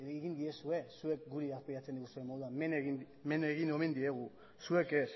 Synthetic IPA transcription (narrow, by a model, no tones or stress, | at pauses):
eɣind̪iesue̞sue̞k̚ɡuɾiaspiɾat͡sed̪iɣusuemoðuameneɣin | meneɣino̞mend̪ie̞ɣ̞u | sue̞kes